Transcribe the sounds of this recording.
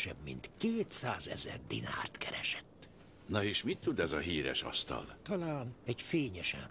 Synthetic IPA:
ʃɛ̰bmḭnt̪keːt̪saːzɛ̰zɛrd̪ina̰ːrt̪kɛɾɛʃɛ̥t̪ː | nɒeːʃmit̪ːud̪ɛzɒɦiːɾɛ̰ʃɒ̰st̪ɒ̰lt̪ɒlaːnɛɟfeːɲɛʃɛ̰n

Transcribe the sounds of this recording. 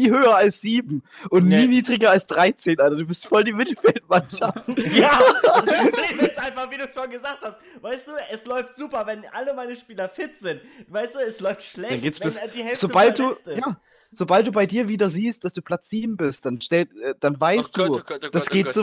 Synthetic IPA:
niːhøːɐalsz̥iːbm̩ʔʊntniːniːdʁɪɡɐalsd̥ʁaɪt͡seːnʔaɪnɐduːbɪstfɔldiːmɪtl̩fɛlt̚manʃaftjaː | eɛʔaɪnfaχviːduːʃoːnɡəzaːk̚thast̚vaɪsd̥uːʔɛslɔʏftz̥uːpɐvɛnʔa̰ləmaɪnəʃpiːlɐfɪtz̥ɪntvaɪstd̥uːɛslɔʏftʃlɛdanɡeːtsb̥ɪd̥iːhɛz̥obalt̚d̥uːjaː | z̥obalt̚d̥uːbaɪdiːɐviːdɐziːst̚d̥asd̥uːpʰl̥at͡sz̥iːbm̩bɪst̚d̥anʃtɛlʔɛːd̥anvaɪstd̥uːd̥asɡ̥eːtzo

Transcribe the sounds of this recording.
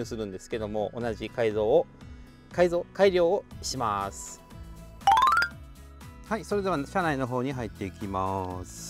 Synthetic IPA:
ɯːsɨɾɯ̟̃nd̪e̞sɨ̥ke̞d̪o̞mo̞ʔonaʑikaizoː | kaizo̞ːkaiɾʲjo̞ːoɕimasɨ̥ | haiso̞ɾe̞d̪e̞β̞aɕanaino̞ɦo̞ːɲ̟iɦait̪ːe̞ikʲimasɨ̥

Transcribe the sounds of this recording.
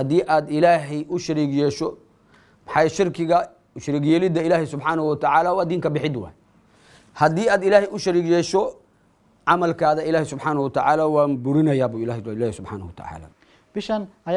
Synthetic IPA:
hɐd̪iːʔaːd̪ɪlaːɦɛʔʊʃɐɾiːɡjɛːʃɔ | mɑħɑjʃɪrkʰɪɣɐ | ʃɪɾiːɡjɛːlɪd̪ɐɪlaːhɪsʊbħaːnɐwɐt̪ʰɐʕaːlaːwɑːd̪iːŋkʰɐbɪħɪd̪wɑ̰ːj | hɐd̪iːaːd̪ɪlaːhɛjʊʃɐɾiːɡjɛːʃɔ | ʕɑmɐlkʰaːðɐɪlaːhɪsʊbħaːnɐhwɐt̪ʰɐʕaːlaːwaːmbʊɾɪnɐjaːbuːɪlaːhɪlaːhɛsʊbħa̰ːnɐhwɐt̪ʰɐ̰ʕa̰ːla̰ː | b̥ɪʃɐnɐ

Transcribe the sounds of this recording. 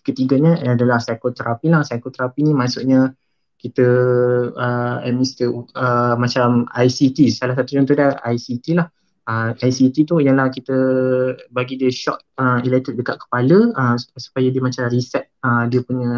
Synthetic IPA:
kət̪iɡaɲə̃adalahsajkot̪əɾʔapilahsajkot̪əɾapinĩmasuʔɲə | kit̪ə | əɛ̰mist̪əəmat͡ʃamajsit̪isalahsat̪ud͡ʒunt̪udaajsit̪ilah | əajsit̪it̪ujalahkit̪ə | baɡidiəʃɔ̰ʔ̚ | əmilɛt̪ət̚dəkaʔ̪̚kə̥paləəmsu̥pajadiəmat͡ʃamrisɛt̪̚əmdiəpuɲə̃

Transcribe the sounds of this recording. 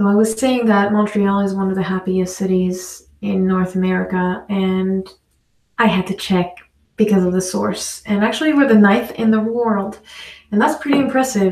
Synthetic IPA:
oʊaɪwʌz̥seɪɪ̃ŋðət̚mɑ̃ntʰɹ̥iɑlˠizwʌ̃nʌvðɨhæpiɨstsɪɾiz | ɪ̃nːɔɹθəmɛɹɨkəɨ̃n | ʔaɪɨd̚tʰɨt͡ʃʰɛk̚ | b̥ɨkʰʌzʌvðɨsɔ̰ɹsɨ̃næk̚t͡ʃʉl̩ˠiwə˞ðɨnaɪθɪ̰̃nðəwɜ˞lˠdɨ̃nðætspʰɹ̥ɪɾiɨ̃mpʰɹ̥ɛsɪv

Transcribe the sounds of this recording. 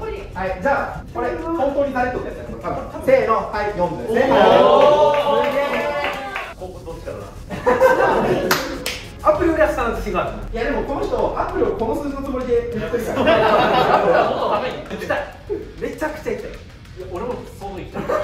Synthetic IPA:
haid͡ʑaː | koɾehõnt̪o̞ːɲ̟id̪aɾet̪ːot̪esskot̪abɯ̃se̞ːno̞haijõmd̪ɯe | od̪ot͡ɕːi̥kad̪a̰ | apːɯ̟ɾʲiojaɕi̥t̪ãnzɨkʲiɡat̪jad̪e̞mo̞ko̞no̞çi̥t̪o̞ʔapːɯ̟ɾʲioko̞no̞sɨːd͡ʑino̞t͡sɨmoɾid̪e̞miɾkːɯɾʲiso | od̪ameɲia | me̞t͡ɕakɯ̟̥t͡ɕait̪ːem | jaoɾemosoi

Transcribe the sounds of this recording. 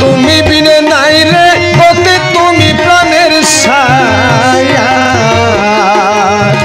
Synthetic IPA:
t̪umibinenajɾe | kɔt̪et̪umipɾaneɾ | s | a | ja

